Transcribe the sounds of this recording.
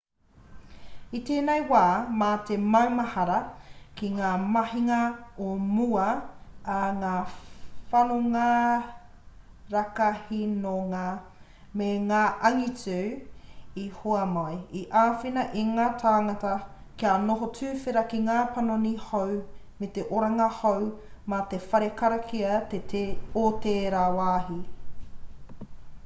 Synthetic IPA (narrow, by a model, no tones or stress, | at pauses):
iteːnejwaːmatemɐwmɐhɐɾɐkiŋaːmɐhiŋɐomuɐaŋaːfɐnoŋa | ɾakahinoŋaː | meŋaːʔɐŋit͡sʉː | ihoɐmɐjiʔaːfinɐʔiŋaːtʰaːŋɐtɐkianoɦot͡sʉːfeɾɐkiŋaːpɐnonihow | met̪eʔoɾɐŋɐhowmɐt̪efɐɾekɐɾɐkʰiɐt̪etʰeoteːɾawaːhi